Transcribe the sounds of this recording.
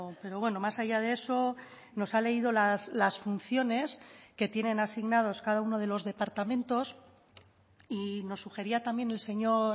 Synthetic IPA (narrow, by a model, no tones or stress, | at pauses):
pe̞ɾo̞βwe̞no̞masaʝað̞ee̞so̞ | no̞sale̞ið̞o̞laslasfun̟θjo̞ne̞ske̞t̪je̞ne̞nasiɣnað̞o̞skaðauno̞ð̞e̞lo̞zðe̞paɾt̪amẽ̞nt̪o̞s | ino̞sːuxe̞ɾiat̪ambje̞ne̞lse̞ɲo̞ɾ